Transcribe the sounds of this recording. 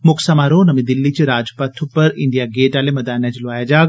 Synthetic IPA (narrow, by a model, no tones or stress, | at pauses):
mʊksɐmaɾonɐmid̪ɪlːit͡ʃiɾaːd͡ʒpɐt̪ʰːupɐɾɪɳɖijaɡeːʈaːlemɐd̪aːnat͡ʃlʊʋaːjad͡ʒaːɡ